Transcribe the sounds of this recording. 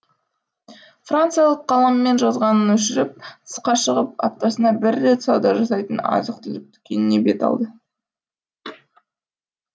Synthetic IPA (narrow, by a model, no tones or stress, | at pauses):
frant̪sɨjalˠəqʰːɑlˠɑmːe̞nʒɑzʁɑnənwɵʃɪɾɪp̚t̪ʰə̥sqɑʃəʁəp̚ɑ̰pt̪ːɑsənɑbɪɾːe̞t̪sɑwd̪ɑʒɑsɑjt̪ənɑ̰zəq̚t̪ɪlɪk̚t̪ʰʏ̥kʲe̞nɪne̞be̞t̪ɑ̰lˠd̪ə